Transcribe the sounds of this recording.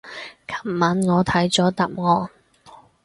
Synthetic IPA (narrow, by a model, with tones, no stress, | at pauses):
kʰɐ̥˨˩mːɐ˨˥nŋɔː˨˧t̪ʰɐ˨˥jt͡sɔː˨˥t̪ɐ˨p̚ŋɔː˨n